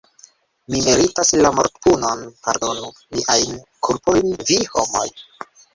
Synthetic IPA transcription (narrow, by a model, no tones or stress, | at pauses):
mimeɾitaslamoɾt̪puno̞npa̰ɾdo̞nu | miʔajn | kʰuɾpo̞jnviho̞mo̰j